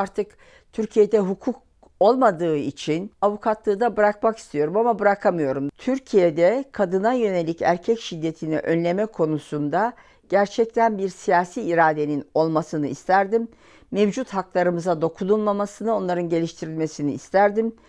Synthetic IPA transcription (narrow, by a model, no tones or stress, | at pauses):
aɾt̪ʰɯk | t̪ʰyɾcʰije̞d̪ɛɦukʰuk̚ | o̞lˠmad̪ɯːit͡ʃʰinavukʰat̪lˠɯːd̪abɯɾakmaki̥st̪ʰijo̞ɾumamabɯɾakʰamɯjo̞ɾumt̪ʰyɾcʰijed̪ɛkʰad̪ɯnajø̞ne̞lʲicæ̰ɾcʰɛcʃid̪ːe̞t̪ʰinḭʔø̞nlʲe̞mɛkʰo̞nusund̪a | ɟ̥æɾt͡ʃʰɛc̚t̪ʰænbiɾsijaːsiːɾaːd̪e̞nino̞lˠmasɯnɯist̪ʰæɾd̪imː | evd͡ʒut̪haklˠaɾɯmɯzad̪o̞kʰununˠmamasɯnɯo̞nlˠaɾɯnɟe̞lʲiʃt̪ʰiɾilʲme̞siniːst̪ʰæɾd̪im